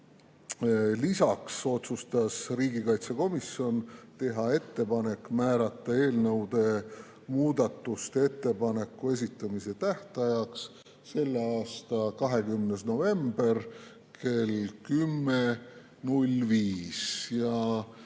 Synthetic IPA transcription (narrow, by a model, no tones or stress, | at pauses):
lisɑkso̞t̪sust̪ɑsriːɡikɑjt̪seko̞misjo̞nt̪e̞ɦɑe̞t̪ːe̞pɑne̞kˑmæːɾɑt̪ːˑɑe̞ːlnɤwd̪e̞ | muːd̪ɑt̪ːˑust̪e̞t̪ːe̞pɑne̞kːˑue̞s̬it̪ːˑɑmise̞t̪æht̪ɑjɑks | se̞lːeɑːst̪ɑkɑɦe̞kymnesno̞ve̞mb̥e̞r | ke̞lkymːe | nulviːsjɑ